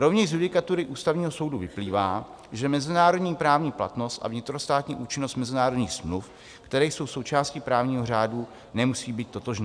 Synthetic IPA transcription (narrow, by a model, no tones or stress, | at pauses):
ɾovɲɛʒzjudɪkat̪uɾɪʔuːst̪avɲiːɦo̞so̞wduvɪpliːvaː | ʒɛmɛzɪnaːɾo̞dɲiːpɾaːvɲiːpla̰t̪no̞st̪ʔa̰vɲɪt̪ɾost̪aːt̪ɲiːʔuːt͡ʃɪnost̪mɛzɪnaːɾodɲiːxsmluf | kt̪ɛɾɛːjso̞wsowt͡ʃaːscɪpɾaːvɲiːɦo̞r̝aːdu | nɛmusiːbiːt̪̚t̪ːo̞t̪oʒnː